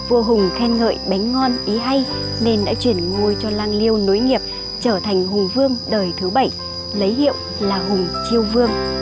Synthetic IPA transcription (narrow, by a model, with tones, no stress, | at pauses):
vu˧˩ɦʊ˨˩ŋ͡mt̪ʰɛ˧nŋə̰ː˧˨jɓa˨˦ŋ̟ŋɔ˧nʔi˨˦ɦa˧j | ne˧nɗa̰ː˧˥t͡ɕwi˧˩ənŋo˧jt͡ɕɔ˧laː˧ŋli˧əwno˨˦jŋi˨˩əp̚ | t͡ɕəː˧˩t̪ʰa˨˩jŋ̟ɦʊ˨˩ŋ͡mvɨ˧əŋɗəː˨˩jt̪ʰɨ˨˦ɓə˧˩j | lə˨˦jɦḭ˧˨əw | laː˨˩ɦʊ˨˩ŋ͡mt͡ɕi˧əwvɨ˧əŋ